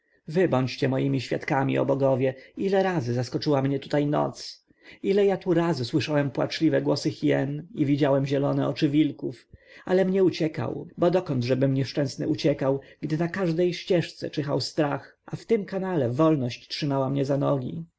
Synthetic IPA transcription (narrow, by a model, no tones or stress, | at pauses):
vɘbɔɲt͡ɕt͡ɕɛmɔjimʲiɕfʲjat̪kamʲḭɔ̰bɔɡɔvʲjɛilɛɾazɘzaskɔt͡ʂɘwamɲɛt̪u̥t̪ajnɔ̰t̪s | ilɛjat̪uɾazɘswɘʂawɛmpwa̰t͡ʂlʲivɛɡwɔsɘxijɛ̰nivʲid͡ʑawɛmʑɛlɔnɛɔt͡ʂɘvʲilkufalɛmɲɛut͡ɕɛka̰wbɔd̪ɔkɔnd̪ʐɛbɘmɲɛʂt͡ʂɛ̃w̃snɘut͡ɕɛkawɡd̪ɘnakaʐd̪ɛjɕt͡ɕɛʂt̪sɛ̰t͡ʂɛxawst̪ɾax | ʔaft̪ɘmkanalɛvɔlnɔɕt͡ɕtʂɘmawamɲɛzanɔɡʲḭ